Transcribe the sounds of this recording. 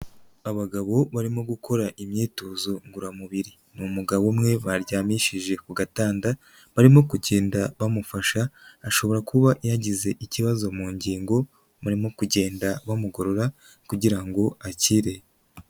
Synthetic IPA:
aβaɡaβo̞βaɾimo̞ɡukʰo̞ɾaʔimɲiːtozoŋɡuɾamuβiɾi | mumuɡaβomŋe̞βaɾɟaːmiʃiʒe̞kuɡataːnda | βaɾimo̞kuɟe̞ːndaβamufaʃaːʃo̞βo̞ɾakuβaʔjaɟize̞ʔiciβazo̞muːɲɟiːŋɡo̞ | βaɾimo̞kuɟe̞ːndaβamuɡo̞ɾo̞ɾa | kuɟiɾaŋɡo̞aciɾe̞

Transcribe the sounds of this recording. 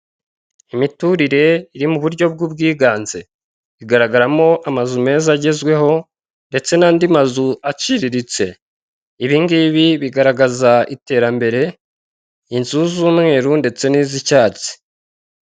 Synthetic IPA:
imituɾiɾe̞iɾimuβuɾɟo̞b̚ɡuːb̚ɡiːɡaːnze | iɡaɾaɡaɾamo̞ʔamazume̞ːzaɟe̞zɡwe̞ɦo̞ | nde̞t͡se̞naːndimazuat͡ʃiɾiɾit͡se̞ | iβiŋɡiβiβiɡaɾaɡazaite̞ːɾambe̞ɾe̞ | inzuzuːmŋe̞ːɾunde̞t͡se̞niːzicaːt͡si̥

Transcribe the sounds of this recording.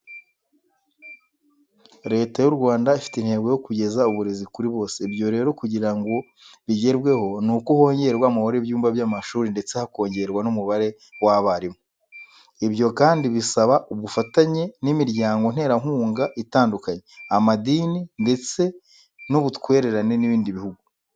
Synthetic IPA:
ɾe̞ːtajuɾɡwaːndaifi̥teinhe̞ːɡo̞jo̞kuɟe̞zauβuɾe̞zikuɾiβo̞ːsebjo̞ɾe̞ːɾo̞kuɟiɾaŋɡo̞ | βiɟe̞ɾbwe̞ho̞nukuho̞ːɲɟe̞ɾɡwamahoɾebjuːmbabjamaʃuːɾinde̞t͡sehako̞ːɲɟe̞ɾɡwanumuβaɾe̞ | waβaɾimo | ibjo̞kaːndiβisaβaʔuβufataɲe̞nimiɾɟaːŋɡo̞n̥he̞ːɾaŋ̥huːŋɡaʔitaːndukaɲeamadiːninde̞t͡se̞ | nuβutwe̞ːɾe̞ɾane̞niβiːndiβihuɡu

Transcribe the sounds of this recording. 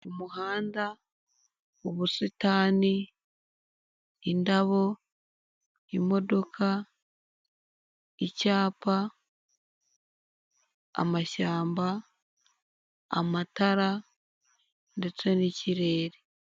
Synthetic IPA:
umuhaːnda | oβusitaːni | indaβo̞ | imo̞do̞kʰa | icaːpa | a̰maʃaːmba | mataɾa | nde̞t͡se̞niciɾe̞ːɾe

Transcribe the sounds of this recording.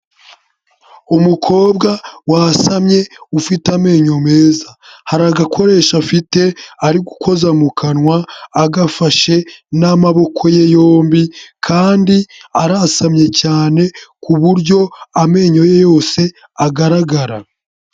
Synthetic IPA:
umukʰo̞ːbɡawasamɲe̞ufitame̞ːɲo̞me̞ːzahaɾaɡakʰo̞ɾe̞ːʃafite̞aɾiɡuko̞zamukʰanŋwaːɡafaʃe̞namaβo̞kʰo̞je̞joːmbikʰaːndiaɾasamɲe̞caːne̞kuβuɾɟo̞ame̞ːɲo̞je̞jo̞ːse̞ | aɡaɾaɡaɾa

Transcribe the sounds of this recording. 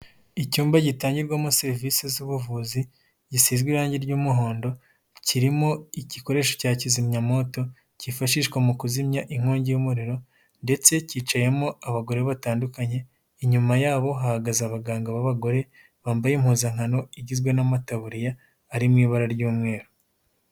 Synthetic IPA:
icuːmbaɟitaːɲɟiɾɡwamoseɾvisezuβuvuzi | ɟisiːzɡwiɾaːɲɟiɾɟuːmuɦo̞ːndo̞ | ciɾimo̞iciko̞ɾe̞ːʃo̥caːcizimɲamo̞to̞ | cifaʃiːʃɡwamukuzimɲaʔiŋ̥hoːɲɟijumuɾiɾo̞ | nde̞t͡se̞ciːt͡ʃaje̞moaβaɡo̞ɾeβataːndukaɲe̞ | iɲumajaːβo̞ɦahaɡazaβaɡaːŋɡaβaβaɡo̞ɾe̞ | βaːmbajem̥huːzaŋhano̞iɟizɡwenamataβuɾijaː | ɾimŋiːβaɾaɾɟuːmŋe̞ːɾo

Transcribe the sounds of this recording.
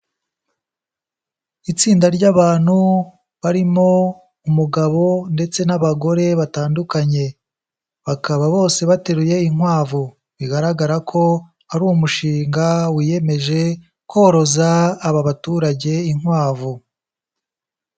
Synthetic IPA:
it͡siːndaɾɟaβaːn̥hu | βaɾimo̞ | umuɡaβo̞nde̞t͡se̞naβaɡo̞ɾe̞βataːndukaɲe̞ | βakaβaβo̞ːse̞βate̞ɾuje̞iŋwaːvu | βiɡaɾaɡaɾakʰo̞ | aɾuːmuʃiːŋɡawije̞me̞ʒe̞ | koɾo̞zaːβaβatuːɾaɟe̞iŋwaːvu

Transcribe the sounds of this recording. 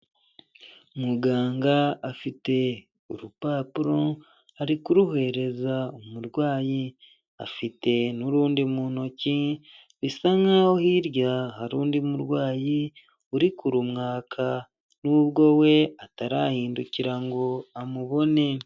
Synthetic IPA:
umuɡaːŋɡaːfite̞ | uɾupaːpuɾo̞ | aɾikuɾuɦe̞ɾe̞zaumuɾɡwaːji | a̰fite̞nuɾuːndimuːno̞ci | βisaŋawohiɾjahaɾuːndimuɾɡwaːji | uɾikuɾumŋaːkʰa | nuːβɡo̞we̞ataɾahiːnduciɾaŋɡoamuβo̞ne̞

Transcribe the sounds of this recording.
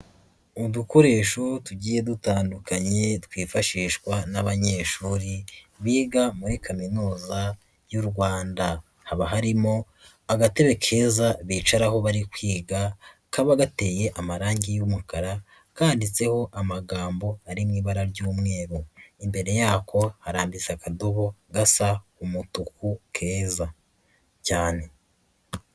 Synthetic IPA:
uduko̞ɾe̞ːʃotuɟiːje̞dutaːndukaɲe̞twiːfaʃiːʃkwanaβaɲe̞ːʃuːɾiβiːɡamuɾikaminuːza | juɾɡwaːnda | haβaɦaɾimo̞ | aɡate̞βe̞kʰe̞zaβiːt͡ʃaɾaɦo̞βaɾikwiːɡa | kaβaɡate̞ːje̞ʔamaɾaːɲɟijumukaɾa | kaːndit͡se̞ho̞ʔamaɡaːmbo̞aɾimŋiːβaɾaɾɟuːmŋe̞ːɾuimbe̞ɾe̞jaːkʰo̞haɾaːmbit͡sakadoβo̞ɡasaumutukukʰe̞ːza | caːne̞

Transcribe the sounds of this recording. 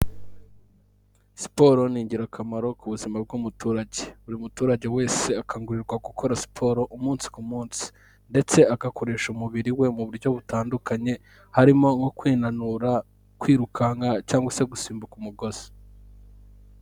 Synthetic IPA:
si̥po̞ɾo̞niːɲɟiɾakʰamaɾo̞kuβuzimab̚ɡumutuːɾaɟe̞uɾiumutuːɾaɟe̞we̞ːse̞akʰaŋɡuɾiɾɡwaɡukʰo̞ɾasi̥pʰo̞ːɾo̞ʔumuːnsi̥kumuːnsi̥ | nde̞t͡se̞akako̞ɾe̞ːʃumuβiɾiwe̞muβuɾɟo̞βutaːndukʰaɲe̞ | haɾimo̞ŋɡokwiːnanuɾa | kwiːɾukʰaŋɡacaːŋɡwase̞ɡusiːmbukumuɡo̞z̥e

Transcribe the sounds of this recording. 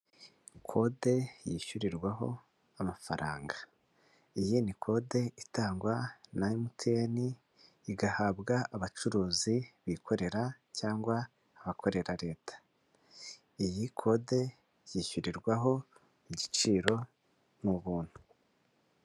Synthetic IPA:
kʰo̞de̞jiʃuɾiɾɡwaɦo̞̰ | amafaɾa̰ːŋɡa | ijinikʰo̞de̞itaːŋɡwanajimutʰeniː | ɡahabɡaʔaβat͡ʃuɾuːziβikʰo̞ɾe̞ɾacaːŋɡwaː | βakʰo̞ɾe̞ɾaɾe̞ːtḁ | ijikʰo̞de̞ | jiʃuɾiɾɡwaɦo̞ | iɟit͡ʃiːɾo̞ | muβuːn̥hu

